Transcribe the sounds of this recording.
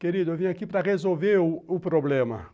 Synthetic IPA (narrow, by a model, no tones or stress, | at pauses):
keɾid̪ʊewvĩɲʊakipɾɐʁezowveɾʊʊpɾoblẽmɐ̰